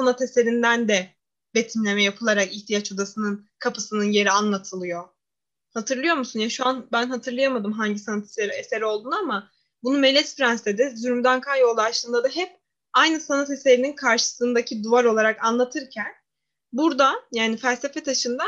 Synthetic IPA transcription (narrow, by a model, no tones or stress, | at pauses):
sanat̪e̞se̞ɾind̪ænd̪ɛ | be̞t̪ʰimlʲe̞mɛjapʰɯlˠaɾakiçt̪ʰijat͡ʃo̞d̪asɯnɯnkʰapɯsɯnɯnje̞ɾianlˠat̪ʰɯlˠɯjo̞ | hat̪ʰɯɾlˠɯjo̞ɾmusunjaʃuanbænɦat̪ʰɯɾlˠɯjamad̪ɯmɦaɲɟisanat̪ʰeseɾeseɾo̞lˠd̪uːnuama | bunumɛlʲːɛsfɾanst̪ed̪ɛzyɾmd̪ænkʰajjo̞lˠd̪aʃlˠɯːnd̪ad̪aɦɛp̚ | ajnɯsanat̪e̞se̞ɾininkʰaɾʃɯ̥sɯnd̪acʰid̪uvaɾo̞lˠaɾakanlˠat̪ʰɯɾcʰæn | buɾd̪ajaːnifælʲse̞fɛt̪ʰaʃɯnd̪a